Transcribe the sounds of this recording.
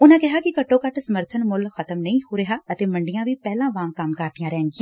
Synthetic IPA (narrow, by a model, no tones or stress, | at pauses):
ʊnãːkɪɦaːkɪkəʈːõːkəʈsəməɾt̪ʰənmʊlxʰət̪əmnəĩːhoːɾeɦaːət̪eːməɳɖɪjãːʋiːpɛːlãːʋãːŋkəmkaːɾt̪ɪjãːɾɛːŋɡɪãː